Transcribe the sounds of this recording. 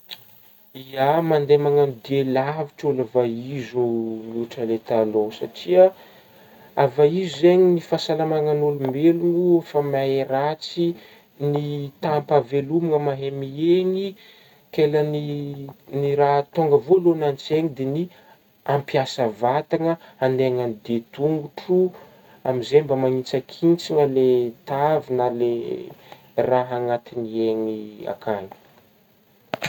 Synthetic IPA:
iamand̪emaŋand̪ielaviʈ͡ʂolavaizomuʈ͡ʂəlet̪alosaʈ͡ʂia | avaizzeɲinifasalamaŋanolumeluŋuefamaeɾat͡si | nit̪ampavelumiŋəmaɦemieɲi | keləni | niɾaɦt̪oŋɡəvolonant͡seŋid̪eni | ampiasəvat̪aŋəand̪eŋanid̪et̪uŋɡuʈ͡ʂu | amizebəmaŋit͡sakʰint͡siŋəlet̪avinəle | raɦaŋat̪inieŋia̰kʰaɲi̥

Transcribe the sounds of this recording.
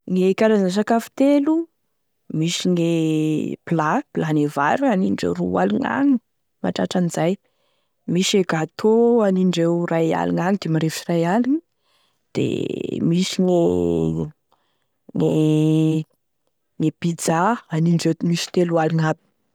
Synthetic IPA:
ŋekaɾazans̬akafi̥t̪elu | misiŋepilaplanevaɾuaniɳɖ͡ʐḛɾua̰liŋa̰ŋi̥ | ma̰ʈ͡ʂaʈ͡ʂanizaj | miseɡat̪ʰoaniɳɖ͡ʐewraja̰liŋaŋid̪emaɾefirajalini | d̪̥ḛmisiŋe | ŋe | ŋepid͡zaaniɳɖ͡ʐemisi̥t̪elualiŋabi̥

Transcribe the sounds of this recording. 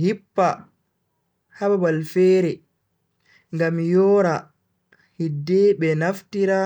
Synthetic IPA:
hipːa | hababalfɛːɾɛ | ŋɡamjɔːɾa | hidːɛbɛnaftiɾa

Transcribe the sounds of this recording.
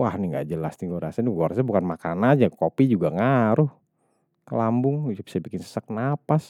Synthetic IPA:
wahnɪŋɡa̰d͡ʒəlastiɡoɾa̰saniɡoɾasabukanmakanad͡ʒakopid͡ʒuɡaŋaɾʊh | kəlambʊŋd͡ʒabisabikɪnsə̥sək̚napas

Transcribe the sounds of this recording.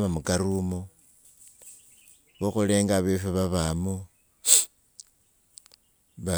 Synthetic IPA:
βamukaɾumo | βoxoleːŋɡaβefeβaβamo | βa

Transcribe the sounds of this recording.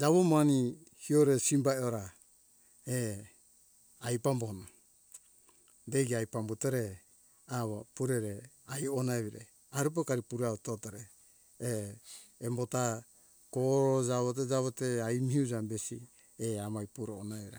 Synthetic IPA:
d͡ʒaβomani | hioɾesimbaeoɾa | e | ajpambohno | deɡiajpambutoɾe | aβapuɾeɾe | ajonaeβiɾa | aɾup̬okaɾipuɾautotoɾeː | mbota | koɾod͡ʒaβot̬ed͡ʒaβoteajmihiud͡ʒambesḭ | eamajpuɾoonaβiɾa

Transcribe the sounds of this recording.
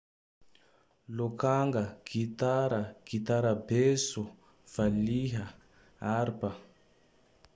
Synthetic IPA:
lokaŋɡaɡ̥it̪aɾaɡ̥it̪aɾabesu | v̥aliɦa | aɾpa

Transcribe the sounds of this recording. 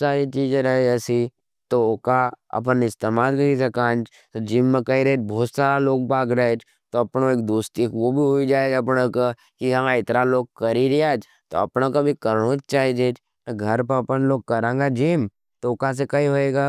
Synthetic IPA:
saːɾit͡ʃiːd͡ʒeɾɐɦeɛsi | t̪oʊkaɐ̰p̬ənɪst̪eːmaːlkɐisɐkãːn | t̪od͡ʒiːmːẽkɐiɾɐed͡ʒbɔːt̪saːɾaloːɡ̚baːɡɾəɦet͡ʃ | t̪oɐpnoeːk̚d̪uːst̪ikʋobʱiɦoid͡ʒaːed͡ʒɐpneka | kiɦɐmaɪt̪ɾaloːɡ̚kɐɾiɾiad͡ʒ | t̪o̰ɐ̰pnakobʱikɐɾnot͡ʃt͡ʃaːɦid͡ʒet͡ʃ | ɡʱɐɾpəɾɐpənloːɡ̚kɐɾẽːŋɡad͡ʒiːm | t̪oʊkas̬ekɐiɦoːeːɡaː

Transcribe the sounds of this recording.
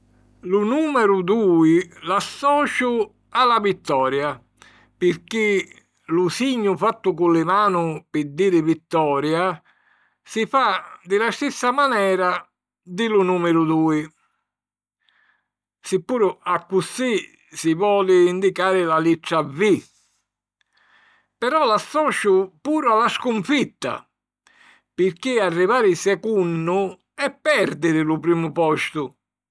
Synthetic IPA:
lʊnuːmɛɾʊd̪uːilasːɔːt͡ʃʊ | alavit̪ːɔːɾja | pɪɾk̟ɪ | lʊsiɲːʊfat̪ːʊkulːɪmaːnʊpɪd̪iːɾɪvit̪ːɔːɾja | sifad̪ɪlast̪isːamanɛːɾa | d̪ɪlʊnuːmɛɾʊd̪uːi | sɪpːuːɾʊakːusi | sivɔːlɪːnd̪ikaːɾɪlalit͡ʃːavi | pɛɾɔlasːɔːt͡ʃʊpuːɾʊalːaskuɱfit̪ːa̰ | pɪɾkiarːivaːɾɪsɛkunːʊ | ɛpːɛɾd̪ɪɾɪlupɾiːmʊpɔst̪ʊ

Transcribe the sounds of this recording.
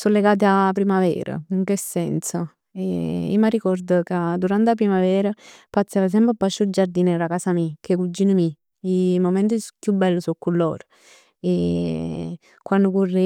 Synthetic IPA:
solːeɡaːt̪̬eapːɾimavɛ̰ːɾa̰iŋkesːɛnt̪sa | ḛḭmarikɔrd̪əkad̪uɾant̪eap̬ɾimavɛːɾapat̪sːavas̬ɛmpapːat͡ʃːud͡ʒaɾd̪iːnɛɾakasamikʰekud͡ʒiːnəmi | imomɛnt̪̬ikjubːɛlːəsokːulːɔ̰ːɾ | e | kwanːd̪ʊkurːi

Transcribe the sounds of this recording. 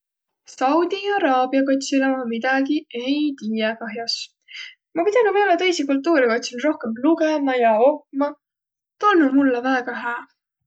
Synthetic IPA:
sɑwd̪̥ʲiɑɾɑːbiɑkot̪ʲsilemɑmid̪̥ɑɡie̞jt̪iːjekɑɦjɑs | mɑpid̪ɑnɑveːlet̪ɤ̞jsikult̪ːˑuːɾikot̪ʲsinro̞hkemluɡemɑjɑopːmɑ | t̪onːumulːevæːɡ̥ɑɦæː

